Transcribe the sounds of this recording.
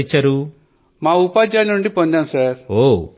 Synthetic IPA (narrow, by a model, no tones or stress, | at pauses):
t͡ʃːɐɾu | maːupaːd͡ʒaːlnuɳɖipond̪aːnsaːɾoː